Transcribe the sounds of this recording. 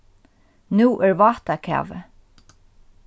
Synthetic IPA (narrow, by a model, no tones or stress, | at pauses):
nuːʔɛɹvɑːht̪akʰæ̰ːvə̰